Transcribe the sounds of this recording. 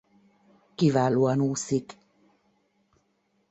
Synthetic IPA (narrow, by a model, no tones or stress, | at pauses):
kivaluanusik